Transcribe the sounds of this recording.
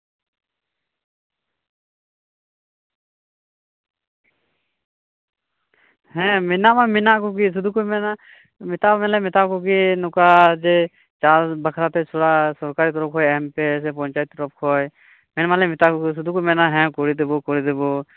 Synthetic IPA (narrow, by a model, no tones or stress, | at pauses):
hɛ̃mɪnamamɪnakokis̬ʊd̪ʱukomɛna | mɪt̪amɛlɛmɪt̪akokinʊkad͡ʒe | t͡ʃaːlbəkʰɾat̪et͡ʃʰoɽasɔɾkaːɾit̪ɾɔp̚ɦʰɔːjɛmpes̬epɔnt͡ʃaːjt̪ɾɔp̚kʰɔj | mɪnmãlemɪt̪akoks̬ʊd̪ʱukomɛnaɦɛ̃koɽid̪ebokoɽid̪ebo